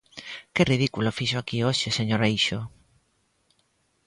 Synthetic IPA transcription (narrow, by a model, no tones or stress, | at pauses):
kɪriðikulofiʃoakioʃeseɲoɾejʃo